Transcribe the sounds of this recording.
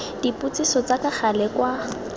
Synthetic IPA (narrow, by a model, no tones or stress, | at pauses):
d̥ipʼut͡sʼisɔt͡sakaχalɛkwa